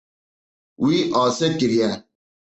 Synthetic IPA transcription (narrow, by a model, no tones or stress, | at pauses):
wiːʔɔːsekiɾija